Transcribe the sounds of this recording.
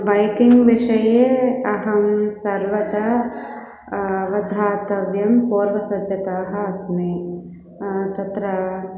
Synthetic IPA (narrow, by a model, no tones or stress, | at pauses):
bɐjkɪŋɡʋɪʃɐjeɐɦɐmsɐɾʋɐt̪ɐ | ʋɐd̪ʱaːt̪ɐʋjɐmpoːɾʋɐsɐd͡ʒɐt̪aːɦɐsme | t̪ɐt̪ɾɐ